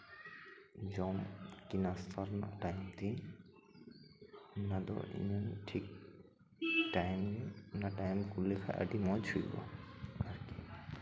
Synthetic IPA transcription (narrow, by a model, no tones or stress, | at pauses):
d͡ʒɔmkinast̪ʰaɾna̰ʈajmt̪i | nad̪ɔ̰ʔḭɲanʈʰik̚ | ʈajmɡɛnaʈajmkulekʰa̰ʔə̰ɖimɔjt͡ʃʰujbɔ̰aɾki